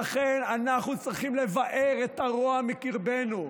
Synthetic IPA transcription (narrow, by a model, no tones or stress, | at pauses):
aχenanaχnut͡sʁiχimle̞vaʔe̞ʁet̪aʁoamikiʁbe̞nu